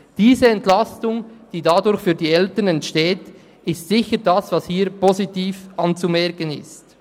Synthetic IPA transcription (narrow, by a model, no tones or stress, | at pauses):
d̥iːzəɛntlɑstʊŋd̥iːdadʊɾçfyːɐdiːɛltənɛntʃteːt | ɪstsɪçədɑsvɑshiːɾpozitiːfʔɑnt͡sumɛɾkənɪ̰st